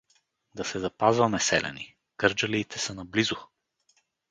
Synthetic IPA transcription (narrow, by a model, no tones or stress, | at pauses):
d̪ɐsɛzɐpazvɐmɛsɛ̰lɛ̰ni | kɤɾd͡ʒɐliːt̪ɛsənɐblizʊ